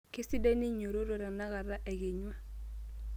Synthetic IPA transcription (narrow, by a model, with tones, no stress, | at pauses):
kɪ˦sɪ˦dɛ˦ni˦ɲo˨ɾo˦ɾo˦ɾa˨na˦ɣa˨ɾa˦ʔɛ˨ɡɪ˨ɲwa˦